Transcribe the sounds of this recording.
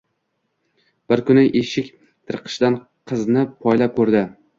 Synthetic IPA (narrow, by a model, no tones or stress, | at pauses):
b̥ɪɾkʰʊnɪʔeʃɪkʲ | t̪ʰɨɾqʰɨ̥ʃd̪an | qʰɨznɪpʰɒjlap̚kʰɵɾd̪ɪ